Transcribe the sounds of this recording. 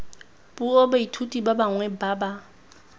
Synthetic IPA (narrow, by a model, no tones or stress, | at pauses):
b̥uobaitʰutʼibabaŋwɛbaːba